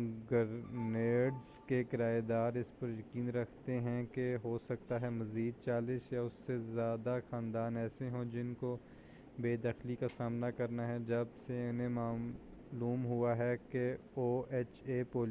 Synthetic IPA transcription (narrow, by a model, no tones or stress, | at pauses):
ɡɐɾneːɖzkekɪɾaːed̪aːɾɪspɐɾjɐkiːnɾɐkʰt̪eɦɛ̃keɦosɐk̚t̪aɦɛmɐziːd̪̚t͡ʃaːlɪʃjaʊsːezjaːd̪axãːnd̪aːnɛːseɦõd͡ʒɪnko | beːd̪ɐxlikasaːmnakɐɾnaɦɛd͡ʒɐbseɪnẽmaː | luːmɦuaɦɛkeoːeːt͡ʃeːpoːl